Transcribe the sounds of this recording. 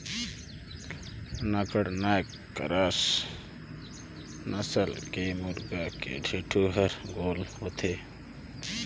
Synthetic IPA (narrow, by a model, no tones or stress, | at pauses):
nəkəɽnakː | ə̰ɾaːs | nəsəlkemuɾɡakḛɖʱeːʈʰuɦəɾɡoːlɦot̪ʰe